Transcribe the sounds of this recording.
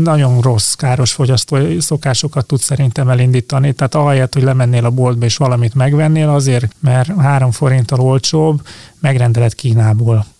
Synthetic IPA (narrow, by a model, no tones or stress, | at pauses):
nɒɟo̞nro̞skaːɾo̞ʃfo̞ɟɒst̪oːso̞kaːʃo̞kɒt̪ːut̪sɛɾint̪ɛmɛlind̪iːt̪ɒnit̪ɛːt̪ɒɦɛjɛt̪hoɟlɛmɛnːeːlɒbo̞ld̪̚bɛeːʃʋɒlɒmit̪mɛɡʋɛnːeːlɒzeːrmɛrɦaːɾo̞ɱfo̞ɾint̪ɒlo̞lt͡ʃoːbmɛɡrɛnd̪ɛlɛt̪kiːnaːboːl